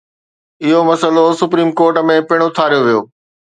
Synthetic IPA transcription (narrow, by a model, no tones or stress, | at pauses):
ɪɦomɐsəlosʊpɾiːmkoːɾʈmẽpɪɽ̃ʊt̪ʰaːɾijoʋijo̰ː